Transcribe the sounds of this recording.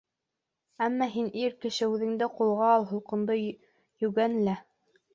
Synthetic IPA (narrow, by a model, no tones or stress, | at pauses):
æmːɑɦiniɾkɘ̆ʃɘʉðɘ̆ŋd̪ɘqulˠʁɑːlˠɦŏlˠqɤ̆nd̪ɤ | jɵ̆ɡænɘlæ